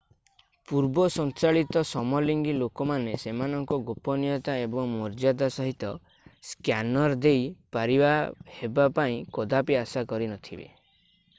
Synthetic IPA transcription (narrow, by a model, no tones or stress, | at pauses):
puɾbɔsɔnt͡ʃaɭit̪ɔsɔmɔliŋɡilokɔmanesemanɔŋkɔɡopɔnijɔt̪aebɔŋmɔɾd͡ʒad̪asɔɦit̪ɔ | skjanɔɾd̪ejpaɾibahebapaĩkɔd̪apiasakɔɾinɔt̪ʰibḛ